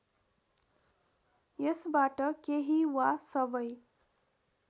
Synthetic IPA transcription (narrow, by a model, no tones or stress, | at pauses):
jʌsbaʈʌkeɦiwasʌbʌj